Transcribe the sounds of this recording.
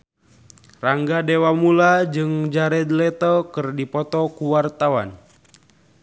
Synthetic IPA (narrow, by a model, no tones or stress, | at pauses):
raŋɡadɛwamulad͡ʒɨŋd͡ʒaɾɛd̪lɛt̪ɔkɨrdipɔt̪ɔkuwart̪awa̰n